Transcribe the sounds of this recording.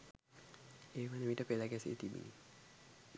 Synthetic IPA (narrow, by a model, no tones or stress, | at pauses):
eːʋanemiʈəpelaɡɛsḛʔet̪ibḭni